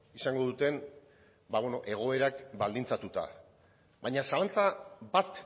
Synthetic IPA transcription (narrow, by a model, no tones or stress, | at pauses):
isaŋɡo̞ðut̪e̞n | baβeno̞ʔe̞ɣ̞o̞e̞ɾakbald̪int͡sat̪ut̪a̰ | βaɲasalant͡sabat̪